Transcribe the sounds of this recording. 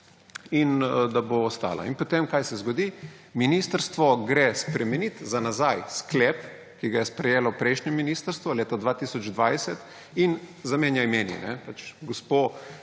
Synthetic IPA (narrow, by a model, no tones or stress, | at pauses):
ind̪aboːst̪a̰ːla̰inpot̪emkajsɛzɡɔd̪i | minist̪əɾst̪ʋɔɡɾespɾɛmɛnit̪zanazajsklɛːp | kiɡajɛspɾɛjeːlɔpɾɛjʃɲɛminist̪əɾst̪ʋɔleːt̪ad̪ʋat̪isɔd͡ʒd̪ʋajsɛt̪ | inzameːnjajmeːnḭnɛpat͡ʃɡospo